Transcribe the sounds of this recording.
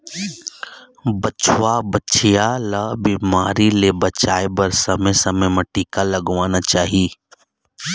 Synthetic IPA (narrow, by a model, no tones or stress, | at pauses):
bɐt͡ʃwabət͡ʃʰijalabiːmaːɾilebɐt͡ʃaːebɐɾsɐməsɐməmɐʈiːkalɐɡʋaːnat͡ʃaːɦiː